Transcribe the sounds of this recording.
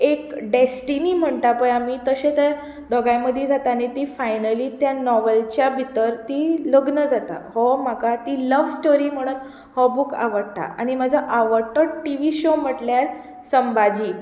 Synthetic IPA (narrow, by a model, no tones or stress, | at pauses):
ekɖesʈiniːm̤əɳt̪apəjamiːt̪əɕẽt̪ja | d̪ʱɔɡajməd̪ʱjed͡zʱat̪anet̪ifajnəliːt̪janɔʋəlt͡ɕjabʱit̪əɾt̪iləɡnəd͡zat̪a̰hɔm̤akat̪iləʋsʈoɾiːm̤əɽ̃uːn | hɔbuka̰ʋəɽt̪a̰a̰ɽ̃imad͡zʱaʔaʋəɽʈəʈiʋiːɕom̤əʈljaɾ | səmbad͡ʑiː